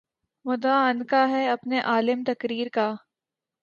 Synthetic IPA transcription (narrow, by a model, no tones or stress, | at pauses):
mʊd̪aːɐnkaɦɛɐpneʔaːlɪmt̪ɐkɾiːɾkaː